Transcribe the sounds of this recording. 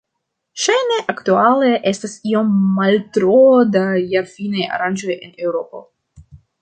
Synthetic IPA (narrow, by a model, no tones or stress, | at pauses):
ʃajneʔaktualeʔestasio̞mːaltɾodajaɾfinaja̰ɾanʲd͡ʒo̞jenewɾo̞po̞̰